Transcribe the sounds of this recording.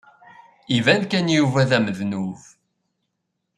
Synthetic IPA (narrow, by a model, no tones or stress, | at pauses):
ivænkænjuvæðæməðnuv